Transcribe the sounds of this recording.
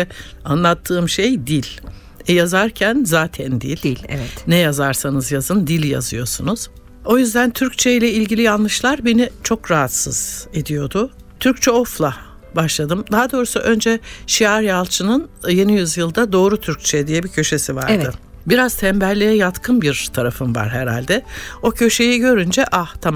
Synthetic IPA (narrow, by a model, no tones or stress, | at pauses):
anlˠat̪ʰːɯːmʃe̞jd̪ilʲ | ɛjazaɾcʰænzaːt̪ʰænd̪ilʲlʲɛvɛt̪nɛjazaɾsanɯzjazɯnd̪ilʲja̰zɯjo̞sunuz̥ | o̞jyzd̪ænt̪ʰyɾct͡ʃʰeilʲɛilʲɟilʲijanˠlːˠɯʃlˠaɾbenit͡ʃʰo̞kɾaɦat̪sɯz̥e̞d̪ijo̞d̪ʊ | t̪ʰyɾc̚t͡ʃʰɛo̞flˠa | baʃlˠad̪ɯmd̪aɦad̪o̞ːɾusuʔø̞nd͡ʒɛʃiaɾjalˠt͡ʃʰɯnɯnje̞nijyzjɯlˠd̪ad̪o̞ːɾut̪ʰyɾc̚t͡ʃʰɛd̪ijɛbicʰø̞ʃe̞siva̰ɾvɯ | biɾaz̥t̪ʰɛmbælːʲejɛjat̪kʰɯnbiɾt̪ʰaɾafɯnva̰ɾɦeɾa̰lʲd̪ɛo̞cʰø̞ʃe̞jiɟø̞ɾynd͡ʒɛʔaht̪ʰam